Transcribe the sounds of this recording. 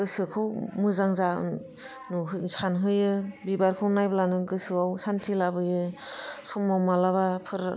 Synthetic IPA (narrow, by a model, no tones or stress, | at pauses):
ɡɯsɯkʰɯwmɯzaŋzaɯ̰ | nuɦɯskʰanɦɯjɯbibaɾkʰɯwnajblanɯɡɯsɯawsantʰilabɯjɯsumawmalabapʰɯɾ